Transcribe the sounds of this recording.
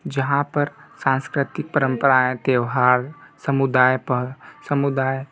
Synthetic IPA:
d͡ʒɐɦãpɐɾsãːnskɾɪt̪ɪk̚pəɾə̃mpəɾaẽt̪eːʋɦaːɾsəmud̪aːjpəsəmʊd̪aːj

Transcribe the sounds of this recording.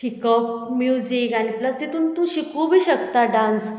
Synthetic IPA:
ʈikəp̚mjuzikañipləst̪et̪uːnt̪ũɕikʰubʱiːɕəkt̪aɖãns

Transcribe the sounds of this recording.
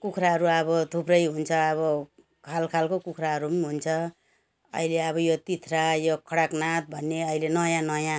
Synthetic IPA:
kukʰɾaɦʌɾuʌβʌt̪ʰuprʌjɦunt͡sʰʌːβʌ | kʰalkʰalkokukʰraɦʌɾumɦunt͡sʰʌ | ʌ̰ileʌβʌjot̪it̪ʰrajokʰʌɽaknat̪̚bʱʌnːeʌilenʌjãnʌjã

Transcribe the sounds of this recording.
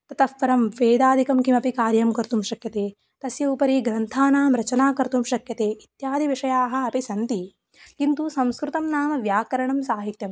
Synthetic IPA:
t̪ɐt̪ɐfʋɐɾɐmʋeːd̪aːd̪ikɐmkimɐpikaːɾjɐmkɐɾt̪umʃɐkjɐt̪eː | t̪ɐsjɐupɐɾiːɡɾɐnt̪ʰaːnaːmɾɐt͡ʃɐnaːkɐɾt̪umʃɐkjɐt̪eːit̪jaːd̪ʱiʋiʂɐjaːɦɐ̆ɐpisɐnt̪i | kint̪usɐmskɾut̪ɐmnaːmɐʋjaːkɐɾɐɳɐmsaːɦit̪jɐm

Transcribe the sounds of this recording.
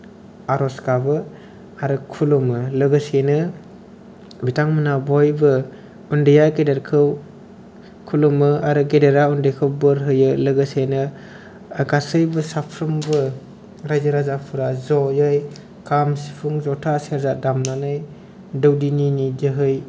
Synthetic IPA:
aɾɔskabɯ | aɾɯkʰulumɯlɯɡɯsenɯ | bitʰaŋmɯnabɔjbɯ | undijaɡedeɾkʰɯw | kʰulumɯaɾɯɡedeɾaundejkʰɯwbɯɾɦɯjɯlɯɡɯsenɯː | ɡasɯjbɯsapʰɾɯmbɯ | ɾajzaɾazapʰuɾazɔjɯj | kʰamsi̥pʰuŋzɔtʰaseɾzadamnanɯj | dɯwdininidɯɦɯj

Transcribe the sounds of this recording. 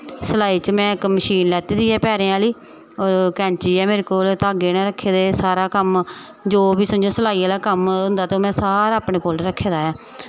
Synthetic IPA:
səlaːiːt͡ʃmɛ̃ːɪkməʃiːnlɛːt̪iːd̪iːɛːpɛːɾẽːaːliː | oːɾkɛ̃ːɲt͡ʃiːɛːmeːɾeːkoːlt̪aːɡeːnãːɾəkʰːeːd̪eːsaːɾaːkəm | d͡ʒoːbiːsəd͡ʒoːsəlaːiːaːlaːkəmɦʊ̃nd̪aːt̪eoːmɛ̃ːsaːɾaːpɽeːkoːlɾəkʰːeːd̪aːjaː

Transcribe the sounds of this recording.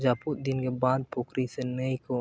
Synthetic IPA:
d͡ʒaːput̪̚d̪ɪnkebaːd̪̚pokɾisenəiko

